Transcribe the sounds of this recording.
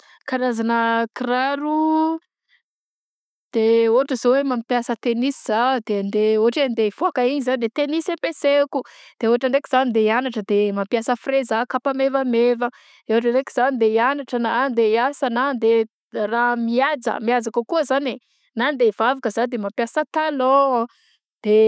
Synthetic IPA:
kanazanəkraɾu | d̪̥eoɦaʈ͡ʂəzowemampjasət̪enisiz̥ad̪̥end̪eoaʈ͡ʂend̪eiv̥oakaiɲizand̪et̪enisẽmpesekud̪̥eoɦaʈ͡ʂəɳɖ͡ʐekiz̥anid̪eianaʈ͡ʂəd̪emampiasəfrezakapamevəmevə | d̪̥eoɦaʈ͡ʂəɳɖ͡ʐekiz̥anid̪eianaʈ͡ʂənaand̪eiasanand̪e | ramiad͡zə̰miad͡zakəkuəzane | nand̪evavakəzad̪emampjasət̪alɔ | d̪̥e

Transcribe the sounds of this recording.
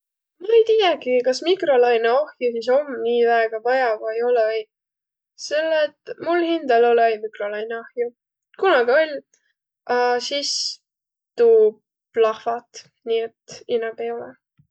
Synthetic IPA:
mɑejt̪ijeɡ̥ikɑsmikro̞lɑjneohjusis̬o̞mniːvæeɡ̥ɑvɑjɑvɑjo̞lɛɑj | se̞lːet̪mulhind̪ɑlo̞leejmikro̞lɑjneohju | kunɑɡio̞lʲ | ʔɑsis | t̪uːb | lɑhfɑt̪ | niːet̪inɑb̥ejolɛ̰

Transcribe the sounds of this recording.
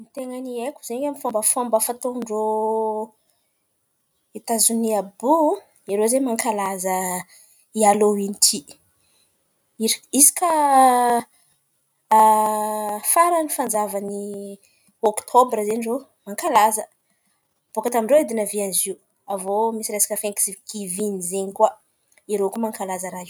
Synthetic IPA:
mit̪eŋaniekuzeɲamifombəfombəfat̪oɳɖ͡ʐo | it̪azuniabu | iɾozemaŋkalazə | ialowiniʈ͡ʂʰi | iɾisi̥ka | faɾanifand͡zavani | okt̪ʰobɾəzeniro | maŋkalazə | b̥okat̪amiɳɖ͡ʐoid̪inəvianiziw | avomisiɾesḁkəfeŋki̥sivɡivinizeɲikwa | iɾewkumaŋkalazəɾai

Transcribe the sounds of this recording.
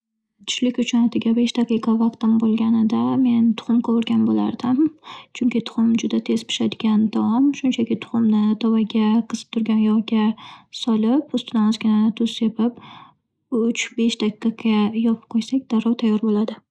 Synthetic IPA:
t̪ʰʊ̥ʃlɪkʲʊt͡ʃʰʊnɒt̪ʰɪɡʲabe̞ʃt̪ʰaqɨqʰɑvɑq̚t̪ɪmbolˠɡʲanɪd̪ame̞nt̪ʰʊ̥χʊmkʰɒwɪɾɡʲanbola̰ɾd̪ɪmt͡ʃʰʊŋkʲɪt̪ʰʊ̥χʊmd͡ʒʊd̪at̪ʰe̞z̥pʰɪ̥ʃad̪ɪɡʲand̪̥aɒmʃʊnt͡ʃʰakʲɪt̪ʰʊ̥χʊmnɪt̪ʰɒwaɡʲaqʰɨz̥ɨ̥p̚t̪ʰʊɾɡʲanjɒʁɡʲasɒlˠɪpʊst̪ʊd̪anɒzɡʲɪnat̪ʰʊz̥sepɪp̚ | ʊt͡ʃbe̞ʃt̪ʰaqiqɑajɒpʰɪ̥p̚qʰojsakʲd̪̥aɾɒwt̪ʰajːɒɾbolad̪ɪ

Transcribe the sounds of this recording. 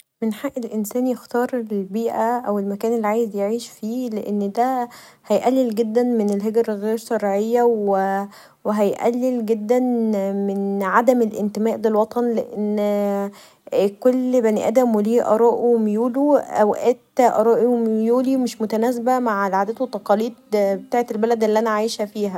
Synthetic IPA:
menħaʔːelʔensæːnjext̪ɑːɾˤellbiːʔæʔæwelmækæːnelːiʕaːjezjeʕiːʃfiːleʔenːd̪æhæjʔælːelɡed̪ːænmenelɦeɡɾɣeːɾsɑɾʕejːæwe | weɦæjʔæ̰lːelɡed̪ːænmenʕad̪æmelʔent̪emæːʔlelwɑt̪ˤɑnleʔenː | kolːbænʔæ̰d̪æmweliːʔɑ̰ɾˤɑːʔimjuːluʔæwʔet̪ːæʔɑɾˤɑːʔimjuːlimeʃmot̪ænæːsbæmaʕelʕaːd̪æt̪ot̪ːɑqɑliːd̪̚bet̪aːʕet̪elbælæd̪ʔelːiʔænæʕaːjeʃæfiːɦæ

